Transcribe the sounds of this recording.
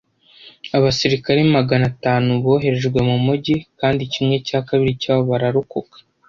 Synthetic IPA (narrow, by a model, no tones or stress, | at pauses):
aβasiɾikaɾemaɡanataːnuβo̞ːɦe̞ɾe̞ʒɡwe̞mumuɟikaːndicimŋe̞caːkaβiɾicaːβoβaɾaɾukukḁ